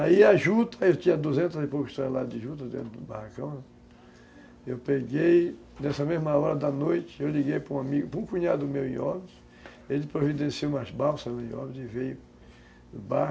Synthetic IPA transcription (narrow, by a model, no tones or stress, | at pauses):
aiaʒut̪ɐewt̪ĩɲɐd̪uzẽt̪ɐzɪpowkʊɪʃt̪oɾɐlad̪d͡ʒ̪ɪʒut̪̬ɐd̪ḛ̃t̪d̪ʊbahakɐ̃w̃nɛ | ewpeɡej | nɛsɐmezmɐɔɾɐd̪ɐnojt͡ʃ̪ɪ̥ewliɡejpɾũamiɡʊpɾũkũɲad̪ʊmewḭ̃ɔbɪs | elɪpɾovid̪ẽsieumabawsɐnuĩɔ̰bizɪvejʊ | ba